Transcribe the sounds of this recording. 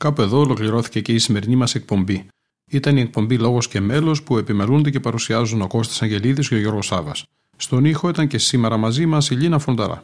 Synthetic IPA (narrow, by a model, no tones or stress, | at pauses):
kɐpue̞ðo̞ːlo̞kliɾo̞θi̥ce̞ce̞isime̞ɾinimɐse̞k̚po̞mbi | it̪ɐnie̞k̚po̞mbilo̞ɣo̞sce̞me̞lo̞spue̞pimelund̪ecepɐɾusiɐzuno̞ko̞st̪i̥sɐɲɟe̞liðisceoʝo̞ɾɣo̞sɐvɐs | st̪o̞nixo̞it̪ɐɲce̞sime̞ɾɐmɐzimɐsiʎinɐfond̪ɐɾɐ̰